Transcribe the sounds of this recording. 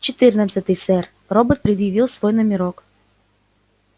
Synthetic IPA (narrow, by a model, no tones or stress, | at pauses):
t͡ɕɪt̪ɨrnət̪sət̪ɨjsɛr | robət̪̚pɾʲɪd̪jɪvʲilˠsvojnəmʲɪɾok